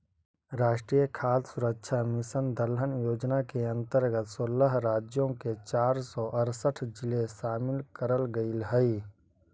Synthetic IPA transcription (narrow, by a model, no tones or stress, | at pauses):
ɾaːʃʈɾiːjəkʰaːssʊɾəkʃʰamɪsənd̪əlɦənjoːd͡ʒnakeɐ̃nt̪əɾɡət̪soləɦɾaːd͡ʒjõket͡ʃaːɾsɔʔəɾsəʈʰd͡ʒɪleʃaːmɪlkəɾəlɡəilɦəi